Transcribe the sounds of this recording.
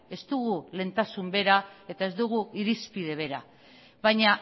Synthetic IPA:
e̞zd̪uɣule̞nt̪asumbe̞ɾae̞t̪ae̞zd̪uɣuiɾispið̞e̞β̞e̞ɾa̰ | βajɲa

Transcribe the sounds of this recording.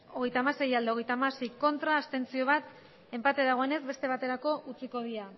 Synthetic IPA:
o̞ɣe̞jt̪amase̞jald̪eo̞ɣ̞e̞jt̪amasejko̞nt̪ɾaːst̪e̞nt͡sio̞β̞at̪ | e̞mpat̪eðaɣ̞o̞ene̞zbe̞st̪e̞β̞at̪e̞ɾako̞ʔut͡siko̞ðia

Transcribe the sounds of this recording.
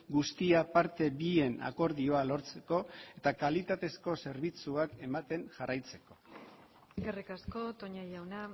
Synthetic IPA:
ɡust̪iapaɾt̪e̞bie̞na̰ko̞ɾðio̞alo̞ɾt͡se̞ko̞e̞t̪akalit̪at̪e̞sko̞se̞ɾβit͡suake̞mat̪e̞ŋʝarajt͡se̞̥ko̞ | kerikasko̞t̪oɲajawna

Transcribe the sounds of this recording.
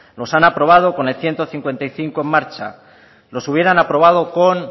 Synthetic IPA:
lo̞sanapɾo̞β̞að̞o̞ko̞ne̞lθje̞nt̪o̞θiŋkwe̞nt̪ajθiŋkoe̞mːaɾt͡ʃa̰ | lo̞suβ̞je̞ɾanapɾo̞β̞að̞o̞kon

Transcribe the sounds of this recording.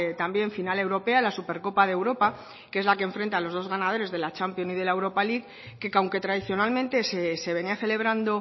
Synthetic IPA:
t̪ambje̞ɱfinale̞wɾo̞pealasupe̞ɾko̞paðewɾo̞pa | kee̞zlakeɱfɾent̪alo̞zð̞o̞zɣ̞anað̞o̞ɾe̞zðe̞lat͡ʃampjo̞nið̞e̞laewɾo̞paliɣ | kekawŋke̞t̪ɾað̞iθjo̞nalmẽnt̪e̞sese̞βe̞niaθe̞le̞β̞ɾand̪o

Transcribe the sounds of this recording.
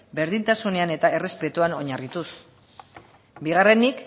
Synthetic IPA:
be̞ɾðint̪asune̞ane̞t̪ae̞re̞spe̞t̪uano̞ɲarit̪us | biɣ̞are̞nik

